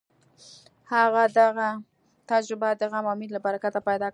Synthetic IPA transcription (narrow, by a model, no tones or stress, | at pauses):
haɣad̪aɣa | t̪ad͡ʒɾɪbad̪əɣamawmed̪lapaɾakat̪ːapajd̪ɑk